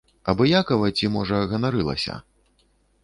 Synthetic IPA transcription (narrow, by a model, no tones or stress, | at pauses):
ɐbɔjakɐvɐt͡sʲimɔʐɐɣɐnaɾɨlˠɐ̰sʲɐ̰